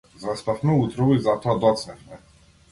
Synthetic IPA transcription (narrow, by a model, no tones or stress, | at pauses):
zast̪afmɛut̪ɾɔvɔizat̪ɔad̪ɔt̪snɛfmɛ